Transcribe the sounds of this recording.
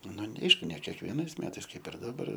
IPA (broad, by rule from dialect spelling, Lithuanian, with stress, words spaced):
ˈnʊ nʲɛ ˈɐɪʃkʊ nʲɛ kʲiɛkʋʲiɛˈnɐɪs ˈmʲæːtɐɪs ˈkɐɪp ɪr dɐˈbɐr